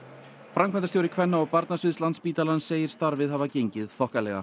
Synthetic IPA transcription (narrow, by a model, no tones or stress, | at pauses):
fɾamkʰvɛnt̪ast̪jowɾɪkʰvɛnːaɔɣpaɾt̪nasvɪðslant̪spiːt̪alanːseːjɪ̥st̪aɾvɪðɦavacejɲcɪðθɔhkalɛɣa̰